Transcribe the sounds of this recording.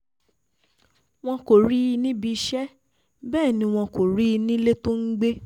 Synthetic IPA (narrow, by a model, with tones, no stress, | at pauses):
w̃ɔ̃˧ko˨ɾi˦i˧nĩ˦bi˧ʃɛ˦ | bɛː˦˨nĩ˧w̃ɔ̃˧ko˨ɾi˦˧nĩ˦le˦to˦ŋ̩˦ɡ͡be˦